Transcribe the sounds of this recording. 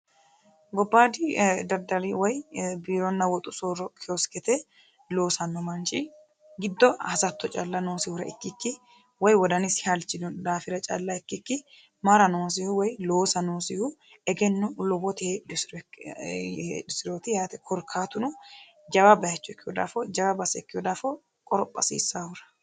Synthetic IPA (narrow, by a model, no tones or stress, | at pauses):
ɡɔbːaːd̪ɪd̪ɐɾd̪ɐlɪwɔjbiːɾɔnːɐwɔt̪ʼʊsoɾɔkʰɛɔskɛt̪ɛ | lo̞ːsɐnːɔmɐnt͡ʃʼɪ | ɡɪd̪ːɔhɐsɐt̪ːɔt͡ʃʼɐlːɐnoːsɪhʊɾɐɪkːɪkːɪ | wɔjwɔd̪ɐnɪshɐlt͡ʃːɪd̪ʊd̪aːfɪɾɐt͡ʃʼɐ̰lːɐɛkːɪkːɪ | mɐɾɐnoːs̬ɪhʊwɔjlo̞ːsɐnoːsɪhʊ | ɛɡɛnːʊlɔbɔt̪ed̪ʊsɪɾ | d̪ʊsɪɾoːt̪ɪjaːt̪ɛkʰɔɾkʰaːt̪ʊnʊ | d͡ʒɐbɐbɐjɐt͡ʃːɔɛkːɪjɔd̪a̰ːfɔd͡ʒɐwɐbɐsɛɛkːɪjɔd̪aːfɔ | kʼɔɾɔpʼːɐ̰sḭːsːaːhʊɾɐ̥